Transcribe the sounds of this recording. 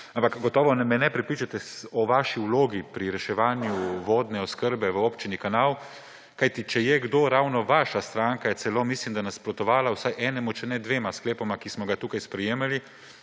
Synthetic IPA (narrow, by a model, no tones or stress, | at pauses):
ampakɡɔt̪ɔːʋɔnɛmɛnɛpɾipɾit͡ʃat̪ɛɔʋaʃiuloːɡipɾiɾɛʃɛʋaːnjuʋoːd̪nɛɔskəɾbɛʋəoːpt͡ʃinikanaːw | kajt̪it͡ʃɛjɛɡd̪oːɾawnɔʋaʃast̪ɾaːŋkajɛtsɛloːmislimd̪anasːpɾɔt̪ɔʋaːlawsajʔɛnɛmut͡ʃɛnɛd̪ʋeːmaskleːpɔmakismɔɡat̪uːkajspɾɛjeːmali